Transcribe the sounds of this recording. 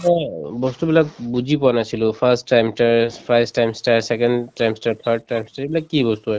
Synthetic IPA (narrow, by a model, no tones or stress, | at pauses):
ɔbɔstubilak̚buzipɔanasilʊ̃pʰastːajmstaɹpʰajstajmstaɹsɛkɔndtajmstaɹt̪ʰad̚tajmstaɹebilakːibɔstua